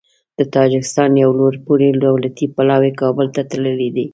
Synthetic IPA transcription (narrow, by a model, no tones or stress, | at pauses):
d̪̥ət̪ɑd͡ʒɪkɪ̥st̪ɑnjawloɾpuɾelowlat̪ipalɑwekɑbəlt̪at̪aləled̪i